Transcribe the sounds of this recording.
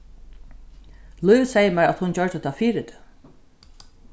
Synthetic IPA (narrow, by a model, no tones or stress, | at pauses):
luːsɛjəmæɹæt̪hʊnt͡ɕœɹd̪ət̪ʰaːfiːɾɪt̪ɪ̥